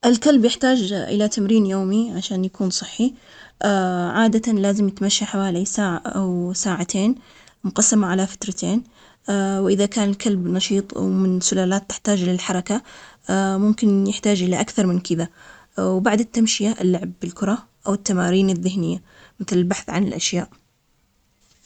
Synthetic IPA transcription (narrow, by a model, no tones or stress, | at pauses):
ʔɪlkalbjɪħt̪aːd͡ʒʔɪ̰lat̪amɾiːnjoːmiʕaʃaːnjakuːnsˤɨħːi | ʔaʕaːd̪at̪alaːzɪmjɪt̪maʃːaħawaːlisaːʕaʔawsaːʕat̪ʰeːn | mʊqɑsːamaʕalafḁt̪ɾˤɑt̪ʰeːn | awʔɪðakaːnɪlkʰalbnɑʃiːt̪ˤwmɪnsʊlaːlaːt̪ːɪ̥ħt̪aːd͡ʒlɪlħɑɾˤɑka | mʊmkɪnjɪħt̪aːd͡ʒʔɪlaʔakθɑɾˤmɪnkɪða | wbaʕd̪ɪt̪ːamʃɪjaʔɪlːʊʕbɪlkʊɾˤɑ | ʔawɪt̪ːamaːɾiːnɪðːɪhnɪjːa | mɪθlɪlbaħθʕanɪ̰lʔaʃjaːʔ